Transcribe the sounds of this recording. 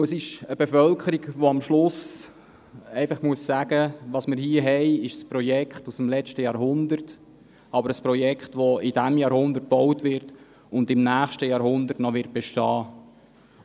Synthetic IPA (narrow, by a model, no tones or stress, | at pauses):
əsɪʃəbefœlkʰəɾiɡʋoɑmʃlʊs | ɛɪfɑχmuəsːæːɡ̥əʋɑsmɪɾhiəɦɛɪɪʃspɾɔjɛkχtusmlɛt͡ʃtəjɑːɾɦʊndərt | ɑbəɾəsprɔjɛkχtʋɔɪd̥æmjɑːɾhʊnd̪ət̚b̥ɔwtʋɪɾt | ʊndɪmnæːχʃtəjɑːɾhʊnd̪ərtnɔʋɪɾt̚b̥ɛʃtɑː